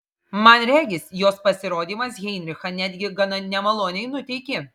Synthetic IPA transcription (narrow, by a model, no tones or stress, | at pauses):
mɐnɾʲæːɡʲɪsjoːspɐsʲɪɾoːd̪ʲiːmɐsɣʲɛɪnʲɾʲɪxɐnʲæːd̪ʲɡʲɪɡɐnɐnʲɛmɐlˠoːnʲɛɪnʊt̪ʲɛɪkʲɪ